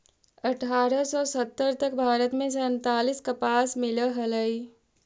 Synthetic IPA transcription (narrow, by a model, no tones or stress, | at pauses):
ɐʈʰaːɾəsɔːsət̪ːəɾt̪ək̚bʱaːɾət̪mẽsə̃nt̪aːliskɐpaːsmɪləɦɐləi